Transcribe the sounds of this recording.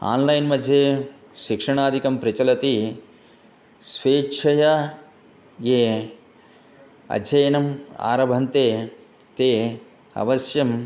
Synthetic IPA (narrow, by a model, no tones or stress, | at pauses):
a̰ːnlɐjnmɐd̪ʱjeː | ʃikʂɐɳaːd̪ʱikɐmpɾit͡ʃɐlɐt̪i | sʋeːt͡ʃʰɐjɐ | jeː | ɐ̰ɐjɐnɐma̰ːɾɐbʱɐnt̪eː | t̪eː | ɐ̰ʋɐsjɐm